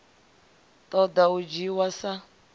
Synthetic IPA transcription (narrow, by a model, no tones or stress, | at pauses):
tʼɔd̪aud͡ʒiwasa